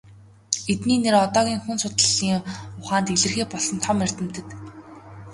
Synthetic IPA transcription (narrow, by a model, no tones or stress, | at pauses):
et̪niːneɾɔt̪ɔːɣʲiːŋxunsʊt̪ə̆ɮiːŋʊχaːnt̪eɮɘ̆rxeːpɔɮɞ̆nt̪ʰɔmer̥t̪ɘ̆mt̪ɘ̆t̪